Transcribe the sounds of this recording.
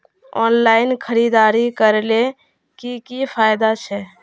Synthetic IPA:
ɔ̰nlainkʰəɾid̪aɾikəɾle | kikipʰajd̪at͡ʃʰɛ

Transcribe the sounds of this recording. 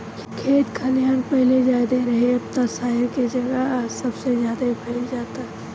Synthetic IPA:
kʰeːt̪kʰɐlijaːnpɛɦled͡ʒaːd̪eɾɐɦeɐp̚t̪asaːəɾked͡ʒɐɡəsɐbsezjaːd̪abʰʱɐd͡ʒaːt̪aɦɛ

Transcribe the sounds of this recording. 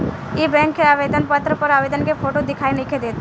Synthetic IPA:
ebɛ̃ːŋkːeaːʋed̪ənpət̪ɾəpəɾaːʋeːd̪ənkepʰoːʈod̪ɪkʰaːinɪkʰed̪eːt̪

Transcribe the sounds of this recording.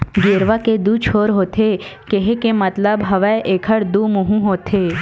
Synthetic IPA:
ɡeːɾʋaked̪ut͡ʃʰoːɾɦoːt̪ʰekeɦekemɐt̪ləbɦɐʋəʔeːkʰəɽd̪umʊɦũɦoːt̪ʰe

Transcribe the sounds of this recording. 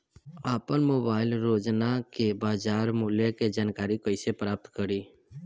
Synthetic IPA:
aːpənmoːbaːɪlɾoːd͡ʒnakebaːd͡ʒaːɾmuːljeked͡ʒaːnkaːɾikəɪsepɾaːp̚t̪kəɾiː

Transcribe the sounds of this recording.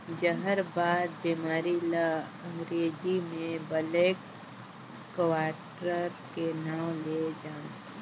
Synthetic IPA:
d͡ʒəɦəɾbaːd̪̚biːmaːɾilaə̃ŋɡɾeːd͡ʒimẽbəleːkː | waːʈɾəɾkenaːwled͡ʒaːnt̪ː

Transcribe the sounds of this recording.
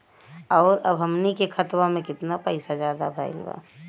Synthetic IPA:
ɔːɾɐbʱɦəmnikekʰɐt̪wamẽkɪt̪napɐɪsazjaːd̪a̰bʱaːɪ̰lʋa̰ː

